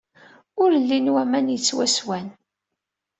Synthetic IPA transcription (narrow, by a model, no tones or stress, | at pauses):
ʊɾlːinwæmænjət͡sːwæswæn